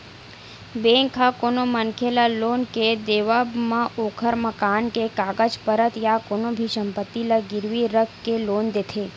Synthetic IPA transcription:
beŋkʰakonomənkʰelalonked̪eʋabmãʔokʰəɾməkankekaɡəd͡ʒpəɾət̪jakonobʱiʃəmpət̪ːilaɡɪɾʋiɾəkkelond̪et̪ʰe

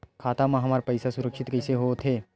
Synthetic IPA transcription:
kʰaːt̪amãɦɐmaːɾpɐɪsasʊɾəkʃɪt̪kɐɪseɦot̪ʰeː

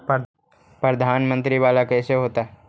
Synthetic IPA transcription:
pɾəd̪ʱaːnmə̃nt̪ɾiʋaːlakɛːseɦoːt̪aː

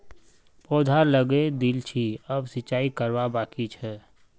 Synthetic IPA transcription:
pɔːd̪ʱaləɡed̪ilt͡ʃʰiəbsɪt͡ʃaːikəɾʋabaːkit͡ʃʰɛ

